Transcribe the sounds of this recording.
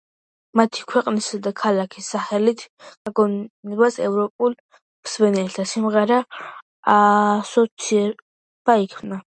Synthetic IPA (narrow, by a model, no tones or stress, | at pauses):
mat̪ʰi̥kʰwɛqʼnisad̪akʰalakʰisːaχɛlit̪ʰɡ̥aɡɔnɛbasɛ̰vɾɔpʼul | msmɛnɛlt̪ʰasimʁɛɾaː | sɔt̪sʰiɛ | b̥aikʰmna